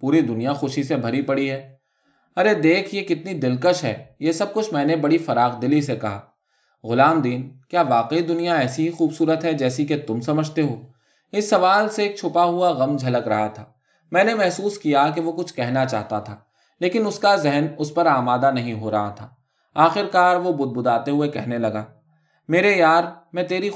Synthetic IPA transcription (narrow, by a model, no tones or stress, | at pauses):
puːɾid̪ʊnijaxʊʃisebʱɐɾipɐɽiɦɛː | ɐɾed̪eːkʰjekɪt̪nid̪ɪlkəʃɦɛ̰ːjesɐb̚kʊt͡ʃʰmɛ̃ːnebɐɽifɐɾaːɣd̪ɪlisekɐɦaː | ɣʊlaːmd̪iːnkjaːʋaːqeid̪ʊnijaɛːsiɦixuːbsuːɾət̪ɦɛd͡ʒɛːsiket̪ʊmsɐməd͡ʒʱt̪eɦoː | ɪsːɐʋaːlseeːk̚t͡ʃʰʊpaɦʊaɣɐmd͡ʒʱɐləkɾɐɦat̪ʰaː | mɛ̃ːnemɛɦsuːskijak̬eʋokʊt͡ʃʰkɛɦnat͡ʃa̰ːɦt̪at̪ʰaː | leːkɪnʊskazɛɦnʊspɐɾaːmaːd̪anɐɦĩɦoɾɐɦat̪ʰaː | aːxɪɾkaːɾʋobʊd̪̚bʊd̪aːt̪eɦʊekɛɦnelɐɡaː | meːɾejaːɾmɛ̃ːt̪eːɾi